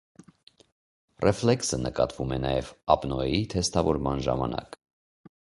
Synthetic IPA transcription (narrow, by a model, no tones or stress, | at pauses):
rʔɛflɛksənəkɑt̪vumɛnɑjɛvɑpnɔɛit̪ʰɛst̪ɑvɔɾmɑnʒɑmɑnɑk